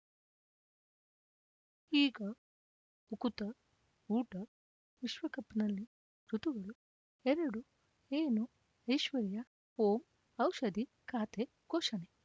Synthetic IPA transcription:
iːɡɐ | ukut̪ɐ | uːʈɐ | ʋiʃʋɐkɐpːnɐlːi | ɾut̪uɡɐɭu | ɛɾɐɽu | eːnu | ɐjʃʋɐɾijɐ | oːm | ɐwʃɐd̪i | kaːt̪e | ɡoːʃɐne

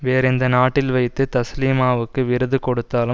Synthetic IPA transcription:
ʋeːɾɛnd̪ɐnaːʈːɪlʋɐɪt̪ːɯt̪ɐsliːmaːʋɯkːɯʋɪɾɯðɯkɔɽɯt̪ːaːlɯ

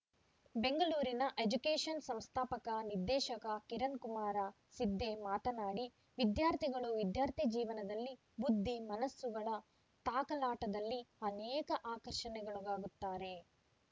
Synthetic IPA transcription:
be̞ŋɡɐɭuːɾinɐʔed͡ʒukeːʂɐnsɐ̃mst̪ʰaːpɐkɐniɾd̪ɛːʃɐkɐkiɾɐnkumaːɾɐ | sid̪ːe̞maːt̪ɐnaːɽi | ʋid̪jaːɾt̪ʰiɡɐɭuʋid̪jaːɾt̪ʰid͡ʒiːʋɐnɐd̪ɐlːi | bud̪ʱːimɐnɐsːuɡɐɭɐ | t̪aːkɐlaːʈɐd̪ɐlːiɐnɛːkɐʔaːkɐɾʃɐnɛɡɐɭuɡaːɡut̪ːaːɾe̞

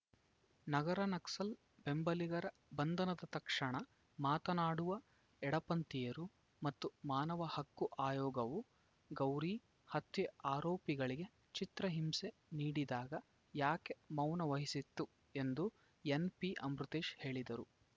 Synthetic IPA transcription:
nɐɡɐɾɐnɐksɐl | be̞mbɐliɡɐɾɐ | bɐnd̪ʱɐnɐd̪ɐt̪ɐkʂɐɳɐ | maːt̪ɐnaːɽuʋɐ | ɛɽɐpɐnt̪ijɐɾu | mɐt̪ːumaːnɐʋɐhɐkːuʔaːjɔːɡɐʋu | ɡɐwɾiː | hɐt̪ʋeaːɾoːpiɡɐɭiɡe̞ | t͡ʃit̪ɾɐɦimse̞niːɽid̪aːɡɐ | jaːke̞mɐwnɐʋɐɦisit̪ːu | e̞nd̪u | enpiʔɐmɾut̪eːʃhe̞ːɭid̪ɐɾu

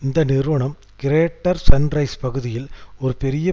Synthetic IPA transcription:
ɪnd̪ɐnɪɾɯʋɐɳɐm | kɪɾeːʈːɐɾsɐnɾɐɪspɐɣɯðɪjɪlɔɾɯpɛɾɪjɐ

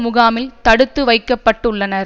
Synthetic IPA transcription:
mʊɣaːmɪlt̪ɐɽɯt̪ːɯʋɐɪkːɐpːɐʈːɯɭːɐnɐɾ

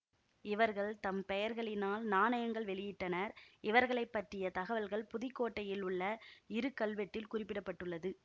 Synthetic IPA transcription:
ɪʋɐɾɣɐɭt̪ɐmpɛjɐɾɣɐɭɪnaːlnaːnɐjɐŋɡɐɭʋɛɭɪjɪʈːɐnɐɾɪʋɐɾɣɐɭɐɪpːɐʈrɪjɐt̪ɐɣɐʋɐlɣɐɭpʊðɪkːoːʈːɐjɪlʊɭːɐɪɾɯkːɐɭʋɛʈːɪlkʊrɪpːɪɽɐpːɐʈːɯɭːɐðɯ

